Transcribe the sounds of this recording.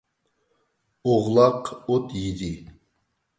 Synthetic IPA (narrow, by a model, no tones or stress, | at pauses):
oʁlˠɑqot̪jid̪i